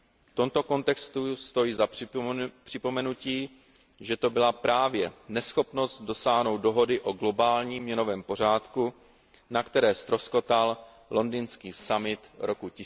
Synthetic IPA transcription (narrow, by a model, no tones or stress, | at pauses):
ft̪o̞mt̪o̞ko̞nt̪ɛkst̪ust̪o̞jiza | pr̥ɪpo̞mɛnuciː | ʒɛt̪o̞bɪlapɾaːvjɛnɛsxo̞pno̞st̪̚do̞saːɦno̞wt̪̚do̞ɦo̞dɪʔo̞ɡlo̞baːlɲiːmːɲɛno̞vɛːmpo̞r̝aːt̪ku | nakt̪ɛɾɛːst̪ɾo̞sko̞t̪al | lo̞ndinskiːsamɪt̪ɾo̞kucɪ